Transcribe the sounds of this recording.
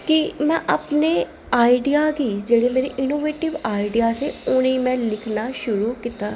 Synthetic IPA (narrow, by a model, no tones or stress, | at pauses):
kimɛ̃ːʔəpne | aːiɖijaːɡid͡ʒeːɽemeːɾeʔɪnoːʋeːʈɪʋaːɪɖijaːseʊnimɛ̃ːlɪkʰnaʃʊɾuːkit̪aː